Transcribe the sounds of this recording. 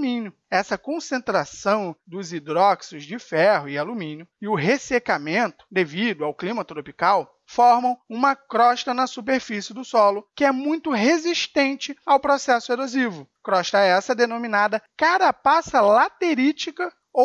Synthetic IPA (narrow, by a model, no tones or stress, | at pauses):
mĩnjʊ | ɛsɐkõsẽnt̪ɾasɐ̃w̃d̪ʊzid̪ɾɔksʊzd͡ʒɪfɛɦʊɪalumĩnjʊɪʊɦesekamẽnt̪ʊ̥d̪evid̪ʊawklĩmɐt̪ɾopikaw | fɔɾmɐ̃w̃ũmɐkɾɔʃt̪ɐnɐsup̬eɾfisɪd̪ʊsɔlʊkɪɛmũj̃t̪ʊɦeziʃt̪ẽnt͡ʃɪawpɾosɛsʊeɾozivʊ | kɾɔʃt̪ɐɛsɐd̪enominad̪ɐkaɾapasɐlat̪eɾit͡ʃikɐ | o